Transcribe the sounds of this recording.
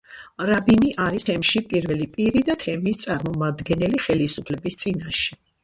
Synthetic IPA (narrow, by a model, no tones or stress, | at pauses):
ɾabiniʔaɾist̪ʰɛmʃipʼiɾvɛlipʼiɾid̪at̪ʰɛmist̪sʼaɾmɔmad̪ɡɛnɛliχɛlisupʰlɛbist̪sʼinaʃɛ